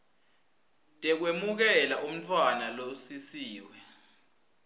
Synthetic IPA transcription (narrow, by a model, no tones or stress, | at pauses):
tʼɛk̬wemuk̬ɛlaʔum̩tʰʼwanalosisiːwɛ